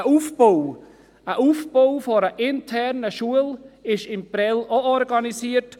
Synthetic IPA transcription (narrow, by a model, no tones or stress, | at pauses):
əufbow | əʔuːfb̥owfɔɾəʔɪntʰɛɾnəʃuəlɪʃɪmpɾɛloɔɾɡɑnisiːəɾt